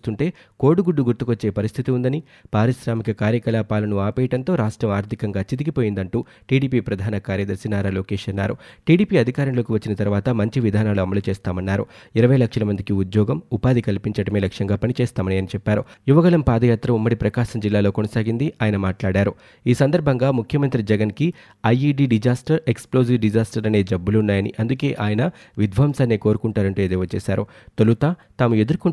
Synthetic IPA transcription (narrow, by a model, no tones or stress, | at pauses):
ust̪uɳʈe̞ː | koːɽuɡuɖːuɡuɾt̪ukot͡ʃːe̞ːpɐɾist̪ʰit̪iund̪ɐni | paːɾiʃɾaːmikɐkaːɾjɐkɐlaːpaːlɐnuaːpeːjɐʈɐnt̪o̞ːɾaːʂʈɾɐmaːɾt̪ʰikɐŋɡaːt͡ʃid̪ikipo̞ːjind̪ɐɳʈuː | ʈiːɽiːpiːpɾɐd̪ʱaːnɐkaːɾjɐd̪ɐɾsinaːɾaːloːkeːʃɐnːaːɾuʈiːɽiːpiɐd̪ʱikaːɾɐmlo̞ːkiʋɐt͡ʃːinɐt̪ɐɾʋaːt̪ɐmɐɲt͡ʃiʋid̪ʱaːnaːluɐmɐlut͡ʃeːst̪aːmɐnːaːɾuiɾɐʋɐjɐlɐkʂɐlɐmɐnd̪ikiud̪jɔːɡɐmupaːd̪ikɐlpiɲt͡ʃɐɽɐme̞ːlɐkʂjɐŋɡaːpɐnit͡ʃɛːst̪aːmɐniɐnit͡ʃɛpːaːɾujuʋɐɡɐɭɐmpaːd̪ɐjaːt̪ɾɐumːɐɽipɾɐkaːʃɐmd͡ʒilːaːlo̞ːkonɐsaːɡind̪iʔaːjɐnɐmaːʈlaːɽaːɾu | iːsɐnd̪ɐɾbʱɐŋɡaːmukʰjɐmɐnt̪ɾid͡ʒɛɡɐnki | ɐjiɖiːɖid͡ʒaːsʈɐɾeksplo̞ːziʋɖid͡ʒaːsʈɐɾɐne̞ːd͡ʒɐbːulunːaːjɐnḭʔɐnd̪uke̞ːʔaːjɐnɐ | ʋid̪ʱʋaːmsaːnːeːko̞ːɾukuɳʈaːɾɐɳʈuːed̪ɛːʋɐt͡ʃeːsaːɾu | t̪olut̪aːt̪aːmue̞d̪uɾku